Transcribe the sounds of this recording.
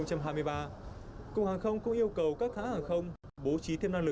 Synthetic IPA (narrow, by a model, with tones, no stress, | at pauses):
ŋ͡mt͡ɕa˧mɦaː˧jmɨ˧əjɓaː˧kʊ˨˩k̚haː˨˩ŋxə˧wŋ͡mkʊ̰˧˥ŋ͡mʔi˧əwkə˨˩wkaː˦˥k̚ha̰ː˨˥haː˨˩ŋxə˧wŋ͡m | ɓo˨˦t͡ɕi˨˦t̪ʰe˧na˧ŋlɨ˨˩